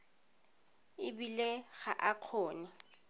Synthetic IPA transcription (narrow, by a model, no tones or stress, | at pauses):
ɪbileɣa̰ʔaq͡χʰoːnɪ